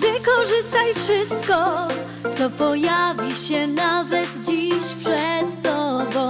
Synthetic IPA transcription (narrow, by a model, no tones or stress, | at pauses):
vɘkɔʐɘst̪ajfʂɘst̪̚kɔ | t̪sɔpɔjavʲiɕɛnavɛt̪d͡ʑiɕpʂɛt̪ːɔbɔ̃w̃